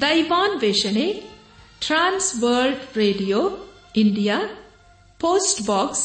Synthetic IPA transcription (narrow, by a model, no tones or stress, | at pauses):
ɖ̪ɐjʋãːnʋeʃənek | ʈɾãːnsʋəɾlɖɾeːɖijo | ɪɳɖija | poːsʈbɔːks